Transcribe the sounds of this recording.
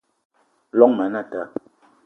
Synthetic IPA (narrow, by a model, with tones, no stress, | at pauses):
lɔ˦ŋmɛ˨˦na˦˨ta˨˦